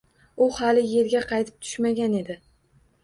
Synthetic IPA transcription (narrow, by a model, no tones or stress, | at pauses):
ʊhalɪje̞ɾɡʲaqʰɑjt̪ʰɪ̥p̚t̪ʰʊ̥ʃmaɡʲane̞d̪ɪ